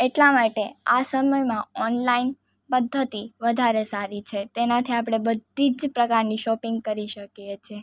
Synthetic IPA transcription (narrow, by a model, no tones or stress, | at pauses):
eʈlamaʈeasəməjmãɔnlain | pəd̪ʱːət̪iʋəd̪ʱaɾesaɾit͡ʃʰet̪enat̪ʰiapɽ̃ebəd̪ʱːid͡ʒpɾəkaɾniʃɔpɪŋɡ̚kəɾiʃəkjet͡ʃʰe